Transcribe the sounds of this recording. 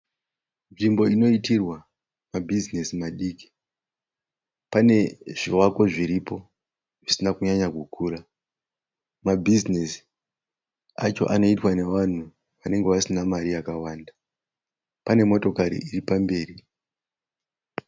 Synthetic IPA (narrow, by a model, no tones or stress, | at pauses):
nʐimbo̞ino̞itirwa | mabʱizinesimaɗiːki̥ | pane̞ʐ̥iwako̞ʐiɾipo̞ | ʐisinakuɲaɲaɡʱukʰuːɾa | mabʱizinesi̥ | at͡ʃo̞̰ʔano̞itwane̞ʋan̤u | ʋane̞ŋɡe̞ʋasinamariakawaːnda | pane̞mo̞to̞kaɾḭʔiripambe̞ːri